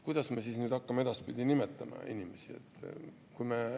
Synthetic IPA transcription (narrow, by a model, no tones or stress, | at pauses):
kujd̪̥ɑsmesisnyːd̪ɑkːɑmee̞d̪̥ɑspid̪inime̞t̪ːˑɑmɑ̰ḭnʲimesie̞̰t̪ːˑ | kujme